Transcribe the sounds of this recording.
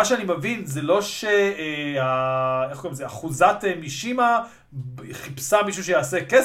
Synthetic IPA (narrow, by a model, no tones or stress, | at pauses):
aʃeanimevinzelo̞ʃeaeχkoʁimtzeaχuzatemiʃima | χipsamiʃ̬uʃ̬ejaːseke